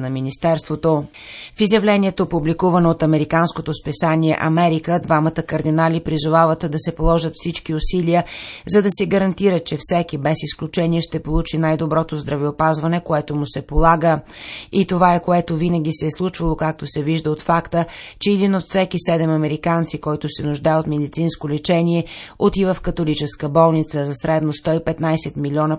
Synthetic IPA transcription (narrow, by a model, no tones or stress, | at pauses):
nɐminist̪ɛɾst̪vot̪o | fizjɐvlɛniɛt̪opublikuvɐnoːt̪ɐmɛɾikanskot̪ospɛsaniɛ̰ʔɐmɛɾikəd̪vamət̪əkɐɾd̪inalipɾizovavət̪d̪ɐsɛpolˠɔʒət̪fsit͡ʃkiʊsiliəzɐd̪ɐsɛɡəɾɐnt̪iɾət͡ʃɛfsɛkibɛsisklʲut͡ʃɛniɛʃt̪ɛpolˠut͡ʃinajd̪obɾɔt̪ozd̪ɾɐvɛopazvɐnɛkoɛt̪omusɛpolˠaɡəit̪ovaɛkoɛt̪ovinəɡ̟ʲisɛːslˠut͡ʃvɐlˠokak̚t̪osɛviʒd̪əot̪fakt̪ət͡ʃɛɛd̪inot̪fsɛkisɛd̪ɛmɐmɛɾikant̪sikɔjt̪ʊsɛnʊʒd̪ajɛot̪mɛd̪it̪sinskolɛt͡ʃɛnʲiɛot̪ivəfkɐt̪olit͡ʃɛskəbɔlˠnit̪səzɐsɾɛd̪nost̪ɔipɛt̪najsɛt̪milʲɔnə